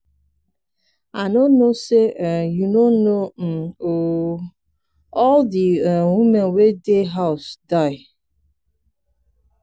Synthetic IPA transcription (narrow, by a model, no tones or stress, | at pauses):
anonosejunonom̩o | ɔldiwumenwedeɦaʊsdaɪ